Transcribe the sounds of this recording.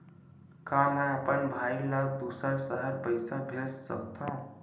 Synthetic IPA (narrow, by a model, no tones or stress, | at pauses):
kaməəpənbʱailaɡ̚b̪usaɾsəɦəɾpəjsabʱessʌ̰k̚t̪ʰõ